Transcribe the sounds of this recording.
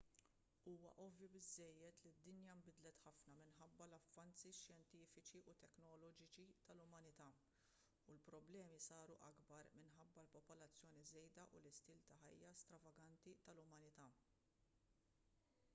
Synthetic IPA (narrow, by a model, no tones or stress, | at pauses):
uːwɐ̰ʔɔvjubɪzːɛjːɛt̪lid̪ːɪnjɐmbɪd̪lɛt̪ħɐfnɐmɪnħɐbːɐlɐfːɐnt͡siʃjɛnt̪iːfɪt͡ʃiʔʊt̪ɛknɔlɔːd͡ʒɪt͡ʃit̪ɐlʊmɐnɪt̪ɐː | ulpɾɔblɛːmisɐːɾuʔɐ̰ɡbɐɾmɪnħɐbːɐlpɔpɔlɐt͡sːjɔːnizɛjd̪ɐʔʊlɪst̪iːlt̪ɐħɐjːɐst̪ɾɐvɐɡɐnt̪it̪ɐlʊmɐnɪt̪ɐː